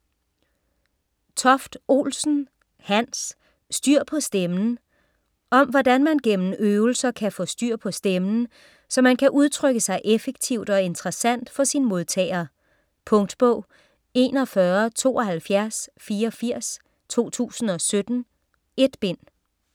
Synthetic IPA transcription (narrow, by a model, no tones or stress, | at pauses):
t͡sʰɒ̽fd̥o̝̰ːlsn̩ | hæn̰sː | d̥yɐ̰pʰɒ̽sd̥emn̩ | ʔɒ̽mʋɒd̥ænmænɡ̥en̰n̩øːʊl̩sɐkʰæfɔ̰̽sd̥yɐ̰pʰɒ̽sd̥emn̩ | sɒ̽mænkʰæʔuð̞ˠt͡sʰʁœɡ̥əsɑ̈ɪʔefeɡ̥t͡sʰiʊ̰d̥ɒ̽e̝nd̥ʁɐsæn̰d̥fɒ̽sinmo̝ð̞ˠt͡sʰɛ̰ːɪɐː | pʰɔ̽ŋd̥b̥ɔ̽ʊ̰ | e̝̰ːnɒ̽fɶɐt͡sʰo̝̰ːɒ̽ɦælfjæɐsfiːɐɒfiɐ̰s | t͡sʰo̝̰ːt͡sʰṵːsn̩ɒ̽sød̥n̩ | e̝d̥b̥e̝n̰